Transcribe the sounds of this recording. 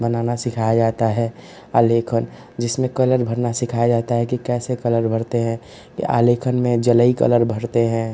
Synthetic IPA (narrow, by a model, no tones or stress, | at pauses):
bənaːnasɪkʰajad͡ʒaːt̪aɦɛ | aːlekʰən | d͡ʒɪsmẽkələɾbʱəɾnasɪkʰajad͡ʒaːt̪aɦɛkikɛːsekələɾbʱəɾt̪eɦɛ̃ | kḭʔa̰ːlekʰənmẽd͡ʒələikə̰ləɾbʱəɾt̪eɦɛ̃